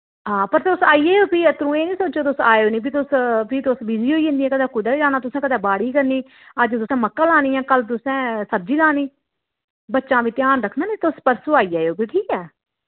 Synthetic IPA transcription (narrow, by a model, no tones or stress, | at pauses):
ɦãːpəɾt̪ʊsaːiːeːoːpiːət̪əɾũːeːnĩːsoːt͡ʃoːt̪ʊsaːoːniːpʰit̪ʊspʰiːt̪ʊsbiziːoːiːɦə̃nd̪iːɛːkəd̪aːkʊd̪aːiːd͡ʒaːnaːt̪ʊsɛ̃ːkəd̪aːbaːɽiːkəɾniː | əd͡ʒt̪ʊsɛ̃ːməkːãːlaːniːɛ̃ːkəlt̪̬ʊsɛ̃ːsəb̚d͡ʒiːlaːniː | bətːʃãːʋiːt̪ɪjaːnɾəkʰnãːnĩːt̪ːʊspəɾsoːaːiːaːoːpiːʈʰiːkɛː